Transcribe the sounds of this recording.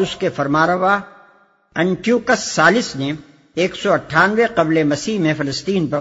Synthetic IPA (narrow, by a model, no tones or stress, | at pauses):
ʊskefɐɾmaːɾəʋa | ɛ̃ɳʈjuːkəsːaːlɪsne | eːksɔɐʈʰːaːnʋeqɐblemɐsiːɦmẽfɪləst̪iːnpɐ